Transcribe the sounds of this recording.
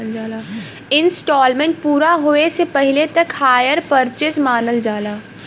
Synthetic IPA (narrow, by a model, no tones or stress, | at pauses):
ld͡ʒaːlaː | ɪ̃nsʈɔːlmẽɳʈ̚puːɾaɦoːesepɐɦɪlet̪ɐkhaːjəɾpəɾt͡ʃɪsmaːnəld͡ʒaːlaː